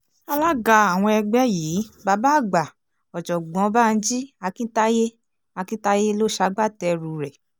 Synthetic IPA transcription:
a˧la˦ɡa˧a˨w̃ɔ̃˧ɛ˧ɡ͡bɛ˦jiː˨˦ba˧˦ba˦˨ɡ͡ba˨ | ɔ˨d͡ʒɔ˨ɡ͡bɔ̃˨˧˦ba˦˧n̩˦d͡ʒi˦a˧kĩ˦ta˦je˦ | a˧kĩ˦ta˦je˦lo˦ʃa˧˦ɡ͡ba˦˨tɛ˧ɾu˨ɾɛ˨

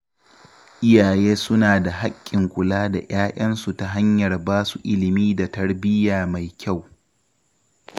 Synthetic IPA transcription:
ʔɪ˦jaː˨jeː˦sʊ˦naː˨da˨ɦa˦kʲʼːɪ˨ŋkʷʊ˨laː˦da̰˨j̰aː˦jʔɐ˦nsu˨ta˦˨ɦa˦ɲjɐ˨rbaː˦su˨ʔɪ˦lɪ˨miː˦da˨tɐ˦rbɪ˦jaː˨ma˨jkʲa˦˨w

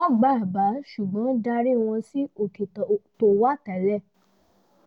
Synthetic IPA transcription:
ɔ̃˦ɡ͡ba˦˨ba˨˦ʃu˨ɡ͡bɔ̃˨˦da˧˦ɾi˦w̃ɔ̃˧si˦o˨ke˨to˧˨wa˦˨ta˨lɛ˦˨

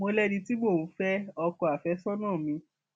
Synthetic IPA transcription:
mo˧lɛ˦dĩ˧ti˦bo˦˨ũ˨˦fɛ˦ɔ˧kɔ˧a˨fɛ˨˦sɔ˦nãː˦˨mĩ˧

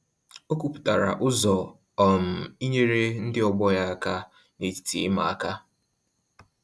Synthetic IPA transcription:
o˦ku˦pu̥˨ta˨ɾa̰˨ʔʊ˦zɔ˨ | ɔ˨m̩˨i˦ɲe˦ɾe˦n̩˦dɪ˦ɔ˨ɡ͡bɔ˦ja˦a˦ka˦ | ne˨ti̥˨ti˨ɪ˦ma˨a˦˨ka˦

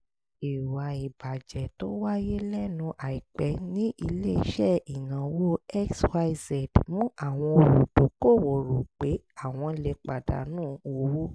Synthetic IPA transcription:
i˨wa˨i˨ba˨d͡ʒɛ˨to˦wa˦je˦lɛ˦nũ˧ʔa˨i˨k͡pɛ˨˦nĩ˦ʔi˧le˦i˦ʃɛ˦˨i˨nã˨˦wo˦ɛ˦kswa˧i˧sɛ˨dmũ˦a˦˨w̃ɔ̃˧o˧ɾu˨do˨˦ko˦˨wo˨ɾo˨k͡pe˨˦ | a˦˨w̃ɔ̃˧le˧k͡pa˨da̰˨˦nũː˦˨wo˧˦wo˦

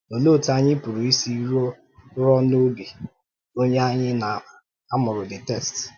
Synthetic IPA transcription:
o˨lo˦˨ta˦˨ɲɪ˦pʊ˨ɾu˨i˦si˦ɾo˦ | ɾɔ˦no˦bi˨ | o˦ɲe˦a˦ɲɪ˦na˨ | a˦mʊ˨ɾʊ˨dɪ˨tɛ˦˨st

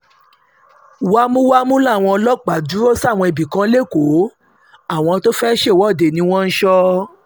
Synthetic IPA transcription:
wa˦mũ˦wa˦mũ˦la˦˨w̃ɔ̃˧ɔ˧lɔ˦˨k͡pa˨du˨˦ɾo˦sw̃ɔ̃˧i˨bi˨kã˨˦le˦˨ko˨˦ | a˦˨w̃ɔ̃˧to˦fɛ˦ʃe˦˨wɔ˨˦˨de˨nĩ˧˦w̃ɔ̃˦n̩˦ʃɔ˦

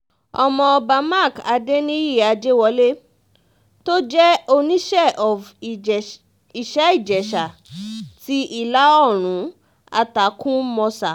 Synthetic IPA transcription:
ɔ˧˨mɔ̃˧ba˧ma˦˨ka˧de˦nĩ˦i˦˨a˧d͡ʒe˦wɔ˧le˦ | to˦d͡ʒɛ˦o˧nĩ˦ʃɛ˦˨ʔɔ˨v | i˨ʃɛ˨˦i˦˨d͡ʒɛ˨ʃa˨ti˦ʔi˦˨la˦ɔ˦˨ɾ̃ũ˨˦ | a̰˧ta˨˦kũ˦mɔ̃˧sa˨

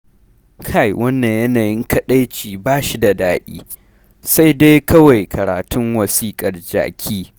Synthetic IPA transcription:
kʰa˦˨jwʔɐ˦nːa˨ɲjɐ˦naː˨jɪ˦ŋkɐ˨ɗa˦jt͡ʃiː˨baː˦ʃi˦da˨daː˦ɗḭː˦ | sa˦jde˦jkɐ˦wa˨jkʰɐ˨ɾaː˨tʊ˦ŋwɐ˨siː˦kʼɐ˨rd͡ʒa̰ː˨kʲʰiː˦

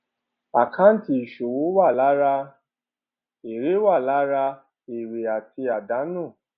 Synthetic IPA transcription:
a˨kʰã˦n̩˦ti˧˦i˨ʃo˨wo˨˦wa˦˨la˨˦ɾa˧ | e˨ɾe˨˦wa˦˨la˨˦ɾa˧ | e˨ɾe˨a˨ti˧a˨da˨˦nũ˦˨

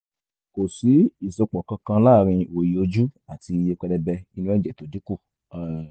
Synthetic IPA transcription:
ko˨si˨˦i˦˨so˨˧k͡pɔ˨kã˧kã˧˦la˦˨ɾ̃ĩ˧o˨ji˨o˧d͡ʒu˦a˦˨ti˧je˧k͡pɛ˧dɛ˧bɛ˧i˧˦nũ˧˦ɛ˧˦d͡ʒɛ˨to˨˦di˨˦ko˦˨

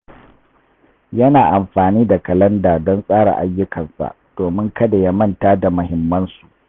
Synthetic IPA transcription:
jɐ˦naː˨ʔa˨mɸaː˨niː˦da˨kɐ˨lɐ˦ndaː˨dɔ˦nsʼaː˦ɽa̰˨ʔa˨jːʊ˦kɐ˨nsa̰˨ʔd̥oː˨mɪ˦ŋkɐ˦da˨ja˦mɐ˦ntaː˦da˨mʊ˨hɪ˨mːɐ˦nsu˨ʔ

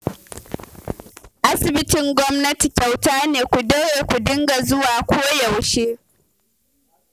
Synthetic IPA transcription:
ʔa˦sɪ˨bɪ˦tɪ˨ŋɡʷɔ˦mnɐ˦ti˨t͡ʃʲa˨wtaː˦neː˨kʷu˨de˦weː˨kʷu˨dɪ˦ŋɡa˨zʊ˦waː˨kʷoː˦jɐ˨wʃeː˦

